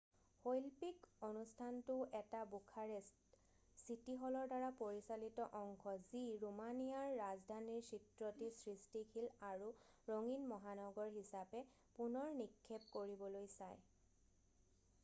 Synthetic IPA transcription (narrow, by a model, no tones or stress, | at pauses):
hojlpikonustʰantʊʔɛtabukʰaɹɛ | sitiɦɔlɔɹdaɹapoɹisalitɔʔɔŋkʰɔziɹumanijaɹːazdʱaniɹsitɹɔtisɹistikʰilaɹuɹoŋinmɔɦanɔɡɔɹɦisapɛ | punɔɹnikʰːep̚koɹibɔlojsaj